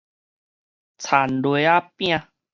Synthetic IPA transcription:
t͡sʰa˨˩ndwa˦pj̃ã˧˨

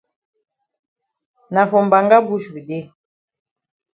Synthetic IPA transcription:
na˨fɔ˨m˨ba˨ŋɡa˦bu˦ʃu˨de˦

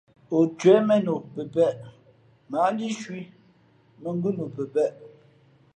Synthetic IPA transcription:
o˨t͡ʃwɛ˨˦mɛ˦no˨pə˨pɛ˦˨ʔ | ma˨˦n˦di˦ʃwi˦ | mə˨ŋ˦ɡʉ˦no˨pə˨pɛ˦ʔ

